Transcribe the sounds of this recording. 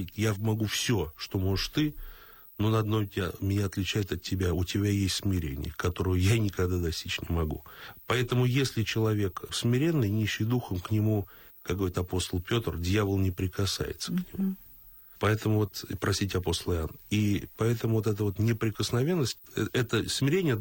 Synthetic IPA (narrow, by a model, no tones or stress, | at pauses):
itʲjamɐɡufsʲoʂt̪o̞mo̞ʐɨʂt̪ɨ | nonɐd̪nojtʲmʲɪnʲaɐt̪lʲɪt͡ɕæjɪt̪ɐt̚ʲtʲːɪbʲaʊtʲɪbʲajesʲt̪ʲsmʲɪɾʲḛnʲɪ̰jəkɐt̪o̞ɾəjʊjanʲɪkɐɡd̪ad̪ɐsʲtʲit͡ɕnʲɪmɐɡṵpɐɛt̪əmʊjesʲlʲɪt͡ɕɪlˠɐvʲe̞ksmʲɪɾʲe̞nːɨjnʲiɕːɨjd̪uxəmknʲɪmu | kakɡvɐɾʲit̪ɐpo̞st̪əlˠpʲo̞t̪rdʲjavəlˠnʲɪpɾʲɪkɐsa̰jɪ̰t̪səknʲɪmu | pɐɛt̪əmʊvo̞t̪pɾɐsʲitʲɪɐpo̞st̪əlˠɨɪa̰nːəipɐɛt̪əmʊvot̪ɛt̪əvo̞t̪nʲɪpɾʲɪkəsnɐvʲe̞nːəsʲt̚ʲɛt̪əsmʲɪɾʲenʲɪjə